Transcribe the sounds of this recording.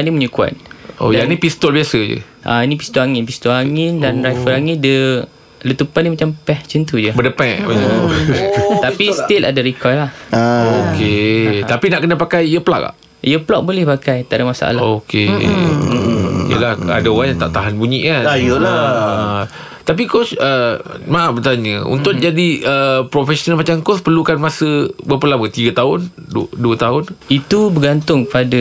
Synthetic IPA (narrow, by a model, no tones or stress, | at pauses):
animuɲəkua̰t̪̚o̰djanipist̪ɔlbiasəd͡ʒə̰ | ʔa̰inĩpist̪oaŋɪnpist̪ɔaŋɪndanɾajfəɾaŋɪdə | lət̪upanimat͡ʃampɛht͡ʃənt̪ud͡ʒəbədəpɛ̃ʔ | t̪apist̪ela̰daɾikʰɔjlahoket̪apinaʔkənapakajəpla̰ka̰ | iəplɔk̚bolɛhpakajt̪aʔdamasa̰ʔa̰laokḛ | ijə̰laha̰daoaŋjaŋt̪a̰ʔt̪aɦanbuɲiʔkanajoa | t̪ap̬ikɔsə | mãabət̪aɲəṵnt̪ʊk̪̚d͡ʒadiəpɾofɛsonalmat͡ʃamkɔspərlukanmasəbəpəlabət̪iɡat̪aʊnduət̪aɦʊnit̪ubəɡant̪ʊŋkəpada